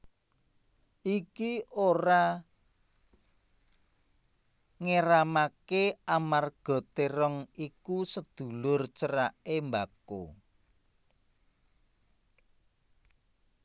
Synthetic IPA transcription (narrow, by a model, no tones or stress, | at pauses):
ʔikioɾa | ŋeɾamakeamarɡ̥ɔ̤t̪eɾəŋikusəd̪̥ṳlʊrt͡ʃəɾaʔembako̰